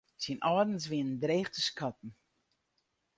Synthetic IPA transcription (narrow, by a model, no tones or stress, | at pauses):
sinʔɑːdn̩sʋinndreːχtəskatn̩